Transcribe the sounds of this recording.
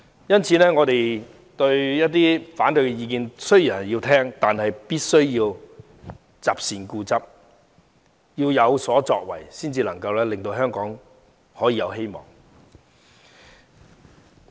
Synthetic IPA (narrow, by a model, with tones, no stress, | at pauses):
jɐ˥nt͡sʰiː˨˧nɛː˥ŋɔː˨˧t̪e˨j | t̪ɵ˧ɥjɐ˥t̚t̪iː˥faː˨˥nt̪ɵ˧ɥkɛ˧jiː˧kiː˧nsɵ˥ɥji˨˩˨ji˧wt̪ʰɛː˥ŋt̪aː˨nhɐ˨jpiː˥t̚sɵ˥ɥjiː˧w | t͡saː˨p̚siː˨nkuː˧t͡sɐ˥p̚ | jiː˧wjɐ˨˧wsɔː˨˥t͡sɔː˧k̚wɐ̰˨˩jsiː˥nt͡siː˧lɐ˨˩ŋkɐ˧wlɛː˥lɪ˨ŋt̪o˧wɦœː˥ŋkɔː˨˥ŋ | hɔː˨˥jiː˨˧jɐ˨˧wɦe˥jmɔ̰ː˨˩ŋ